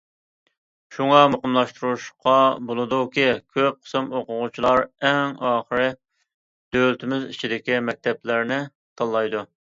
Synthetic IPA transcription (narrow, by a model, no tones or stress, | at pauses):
ʃuŋɑmoqəmlˠɑʃt̪uɾuʃqʰɑbolˠɨd̪ukʲikʲʰøp̚qʰə̥sɨmoqʊʁʊt͡ʃʰilˠɑɾɛŋɑːχɾɨ | d̪̥ølt̪ʰɪmɪzḭt͡ʃʰid̪ɪkʲimɛk̚ʲt̪ʰɛplɪɾnɪ | t̪ʰɑlˠːɑjd̪u